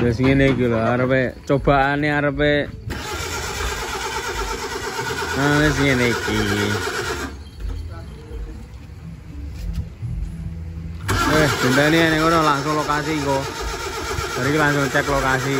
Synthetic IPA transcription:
las̬əŋenekilɔaɾəpet͡ʃob̥a̤ʔaniaɾəpe | anes̬əŋeneiki | wɛhd̪̥unt̪aniɛnɛkɔɾɔlaŋsʊŋlokasiŋkɔ | b̥aɾikilaŋsʊŋt͡ʃɛklokas̬i

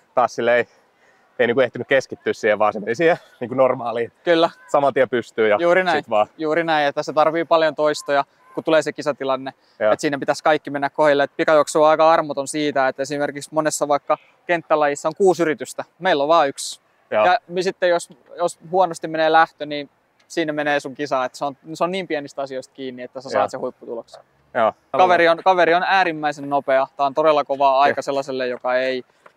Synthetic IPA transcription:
t̪ɑːssilːeei | einiːŋkueht̪ynykeskit̪ːyːssiːheʋʋɑ̰ːsemːelisie | niːkunormɑːliːkylːæsɑmɑlt̪iepyst̪yːjɑjuːɾinæit̪ʋɑːjuːrinæĩet̪ːæset̪ɑrʋiːpɑljont̪oist̪ojɑ | kut̪uleːsekisɑt̪ilɑnːe | et̪siːnæpit̪æskɑikːimenːækkohilːeet̪̚pikɑjoksuːɑikɑɑrmot̪onsiːt̪æet̪ːesimerkiksmonesːɑʋɑikːɑ | kent̪ːælɑjisːæoŋkuːsyrit̪yst̪æmeilːoʋʋɑːyks | jɑmisit̪ːejosjoshuonost̪imeneːlæht̪øniːn | siːnːemeneːsuŋkisɑet̪ːseonseonniːmpienist̪ɑsioist̪̚kiːnːiet̪ːæsæsɑ̰ːt̪sehuipːut̪uloks | kɑʋeɾionkɑʋeɾionæːɾimːæisennopeɑt̪æont̪odelːɑkoʋɑɑikɑselːɑselːejjokɑei

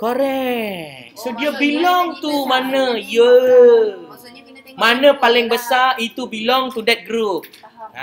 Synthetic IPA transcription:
koɾɛk̚sodiəbilɔŋt̪umanə̃jə | mãnə̃palɪŋbəsarʔit̪ubilɔŋt̪udɛt̪̚ɡɾup̚

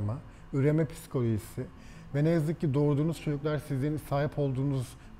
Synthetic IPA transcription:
ma | yɾe̞mɛpʰi̥skʰo̞lʲo̞ʒisɪ | vɛnejazɯk̚cːid̪o̞ɾd̪uːnuzt͡ʃʰod͡ʒuklˠaɾsizlʲeɾinisaːɦipʰo̞lˠd̪uːnuz̥

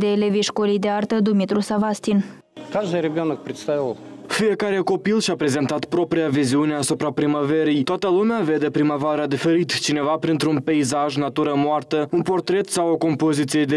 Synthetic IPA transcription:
d̪eleviʃkolijd̪eart̪əd̪umit̪ɾusavast̪in | kaʒd̪ɨjɾʲɪbʲonək̚pɾʲɪt̪st̪avʲilˠ | fije̞kaɾe̞ko̞pilʃapɾe̞ze̞nt̪at̪pɾo̞pɾijaviziune̞asupɾapɾimave̞ɾijt̪oat̪əlumeave̞d̪e̞pɾimavaɾəd̪ife̞ɾit̪t͡ʃine̞vapɾint̪ɾunpeizaʒnat̪uɾəmoart̪əunpo̞rt̪ɾe̞t̪sawoko̞mpo̞zit̪sijed̪e

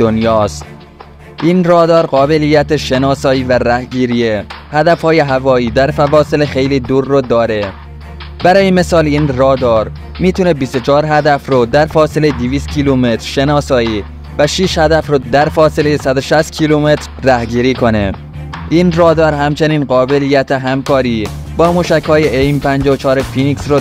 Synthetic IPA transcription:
d̪onjɒːst̪̚ | ʔiːnrɒːd̪ɒːɾɢɒːbe̞liːjæt̪eʃe̞nɒːsɒːiːvæɾæhɡiːɾijehæd̪æfhɒːje̞ɦævɒːiːd̪æɾfævɒːse̞lexe̞jliːd̪uːɾːod̪ɒːɾe̞ | bæɾɒːjeme̞sɒːliːnrɒːd̪ɒːɾ | miːt̪ʰune̞bist̪ot͡ʃʰɒːɾɦæd̪æfɾod̪æɾfɒːselejd̪iviːst̪̚cʰiːlume̞t̪ɾ̥ʃe̞nɒːsɒːiː | væʃiːʃhæd̪æfɾod̪æɾfɒːse̞lejesæd̪oʃæst̪̚cʰiːlume̞t̪ɾːæhɡiːɾiːkʰo̞ne̞̰ | ʔiːnrɒːd̪ɒːɾɦæmt͡ʃʰe̞niːnɢɒːbe̞lijæt̪ʰeɦæmkɒːɾiː | bɒːmuːʃækhɒːjeʔejmpʰænd͡ʒɒːot͡ʃʰɒːɾefiniksro

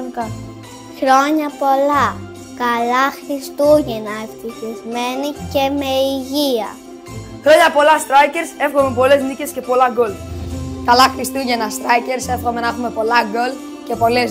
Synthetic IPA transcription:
nkɐn | xɾo̞ɲɐpo̞lɐ | kɐlɐxɾist̪uʝenɐeft̪içizme̞nice̞me̞iʝiɐ̰ | xɾo̞ɲɐpo̞lɐst̪ɾɐjce̞ɾse̞fɣomepo̞le̞znice̞sce̞po̞lɐɡo̞lkɐlɐxɾist̪uʝenɐst̪ɾɐjce̞ɾse̞fɣo̞me̞nɐxume̞po̞lɐɡo̞l | ce̞po̞le

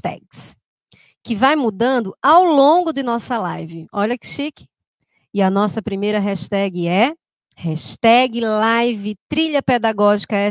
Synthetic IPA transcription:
t̪ɛ̰ɡs | kɪvajmud̪ɐ̃nd̪ʊawlõɡʊd̪ɪnɔsɐlajvɪɔʎɐkɪ̥ʃikɪ̥ | ɪɐnɔsɐpɾimejɾɐɦɛʃt̪ɛɡɪɛ | hɛʃt̪ɛɡɪlajvɪt̪ɾiʎɐped̪aɡɔʒikɐɛ

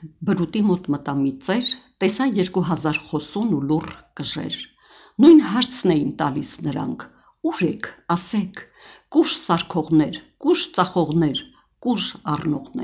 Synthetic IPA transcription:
bəɾut̪imɔt̪mət̪ɑmit͡sɛɾt̪ɛsɑjɛɾkuɦɑzɑɾχɔsunulurkəʒɛ̰ɾ | nujnɦɑɾt͡sʰnɛjint̪ɑlisnəɾɑ̰ŋkʰ | uɾɛkʰɑsɛkʰ | kuʃsɑɾkʰɔʁnɛɾkuʃt͡sɑχɔʁnɛɾ | kuʒɑrnɔʁnɛ̰

